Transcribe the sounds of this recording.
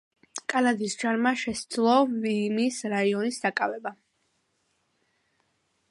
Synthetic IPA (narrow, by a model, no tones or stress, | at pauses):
kʼalad̪isd͡ʒaɾmaʃɛsd̪zlˠɔvimisɾaiɔnisd̪akʼavɛba